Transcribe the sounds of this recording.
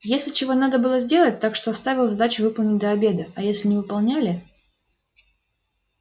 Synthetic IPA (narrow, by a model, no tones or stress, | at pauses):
jesʲlʲɪt͡ɕɪvo̞nad̪əbɨlˠəzʲdʲe̞lˠət̚ʲt̪akʂt̪o̞ɐst̪avʲɪlˠzɐd̪at͡ɕʊvɨpəlˠnʲɪt̚ʲd̪əɐbʲe̞d̪əɐjesʲlʲɪnʲɪvɨpɐlˠnʲælʲɪ